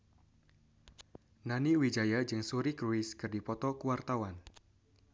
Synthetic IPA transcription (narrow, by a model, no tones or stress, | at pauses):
naniwid͡ʒajad͡ʒɨŋsuɾikɾuɪskɨrdipɔt̪ɔkuwart̪awan